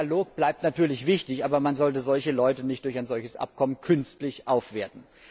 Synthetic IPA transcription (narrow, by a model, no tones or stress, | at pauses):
loːk̚b̥laɪp̚tnatʰyːɐlɪçv̥ɪçtɪçʔaːbɐmanzɔlt̬əzɔlçəlɔʏtənɪçtd̥ʊɐçaɪnzɔlçəsʔa̰p̚kʰɔmənkʰʏnstlɪçʔaʊfv̥eːɐtn̩